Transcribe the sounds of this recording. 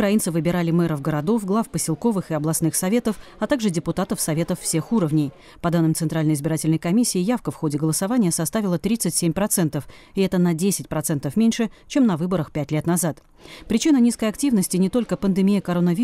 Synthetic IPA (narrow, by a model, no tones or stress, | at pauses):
ʊkɾɐinsɨvɨbʲɪɾalʲɪmɛɾəvɡəɾɐd̪o̞fɡlˠafpəsʲɪlˠko̞vɨxɨɐblˠɐsnɨxsɐvʲe̞t̪əfɐt̪aɡʐɨdʲɪpʊt̪at̪əfsɐvʲe̞t̪əfːsʲe̞xuɾəvnʲɪj | pɐd̪anːɨmt̪sɨnt̪ɾalʲnəjɪzbʲɪɾatʲɪlʲnəjkɐmʲisʲːɪːjafkəfxo̞dʲɪɡəlˠəsɐvanʲɪjəsɐst̪avʲɪlˠət̪ɾʲit̪sɨtʲsʲemʲpɾɐt̪sɛnt̪əfɪɛt̪ənɐdʲesʲɪtʲpɾɐt̪sɛnt̪əfmʲenʲʂɨt͡ɕe̞mnɐvɨbəɾəxpʲætʲlʲet̪nɐzat̪ | pɾʲɪt͡ɕinənʲiskəjɐktʲivnəsʲtʲɪnʲɪt̪o̞lʲkəpənd̪ɨmʲijəkɐɾonəvʲi